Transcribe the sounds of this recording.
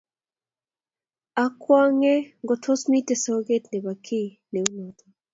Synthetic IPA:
a˨˦kwa˦ŋɛ˦ŋɡɔ˨tʰɔ˦smi˦tɛ˨sɔ˦ɡe˦tnɛ˨ba˨kʰi˦ | ne˨u˦nɔ˨t̪ɔ˨

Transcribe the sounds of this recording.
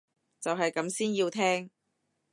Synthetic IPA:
t͡sɐ˨wɦɐ˨jkɐ˨˧˥msiː˥nji˧wt̪ʰɛː˥ŋ

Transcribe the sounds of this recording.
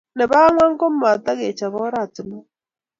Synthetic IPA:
ne˨βa˦ŋwa˦ŋ˦ko˦m˦ma˨t̪a˦ɣe˨t͡ʃa˨βɔ˦ɾa˦˨tɪ˨ma˦

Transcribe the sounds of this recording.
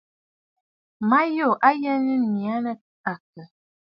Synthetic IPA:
ma˦jo˦˨ʔa˦jɛ˦nə˦ni˨a˦nə˦ | a˨kə˨

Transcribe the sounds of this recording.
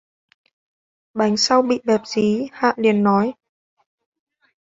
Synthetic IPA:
ɓa˨˦jŋ̟sa˧wɓḭ˧˨ɓɛ˨˩p̚zi˨˦ha̰ː˧˨li˨˩ənːɔ˨˦j

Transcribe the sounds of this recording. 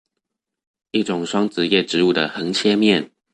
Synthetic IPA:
i˥˩ʈ͡ʂʊ˨˩ŋʂwɑ˥ŋt͡sɹ̩˨˩jɛ˥˩ʈ͡ʂɻ̩˧˦u˥˩d̪ə̰˩xə˧˥ŋt͡ɕʰjɛ˥mjɛ˥˨n

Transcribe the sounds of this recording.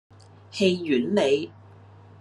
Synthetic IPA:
he˧jːyː˨˥nle˨˧j

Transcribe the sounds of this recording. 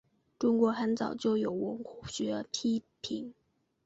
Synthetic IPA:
ʈ͡ʂʊ˥ŋkwɔ˧˥xa˧˥nt͡sɑ̰˨˩ʊt͡ɕjo˥˧ʊjo˨˩ʊwə˧˥ŋxu̥˨˩ɕɛ˧˥ə˧˥pʰi˥ | pʰi˨˩˥ŋ

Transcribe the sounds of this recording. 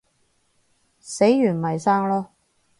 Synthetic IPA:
se˨˥jjyː˨˩nmɐ˨˩jsaː˥ŋlɔː˥

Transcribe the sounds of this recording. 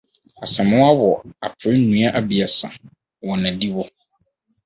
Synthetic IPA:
a˨sɛ˨mʊ̃˦a˦wɔ˨a̰˨pʰɪ˨ɾɪ˦nũ˦a˦ʔa˨bi˨a˨sã̰˨ | wɔ˨nã˨di˦wɔ˦

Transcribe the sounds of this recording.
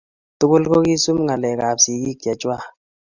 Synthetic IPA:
tu˦ko˦lko˦ki˦su˦mŋa˨lɛ˨ka˨psi˨ki˦˨ka˨t͡ʃa˦

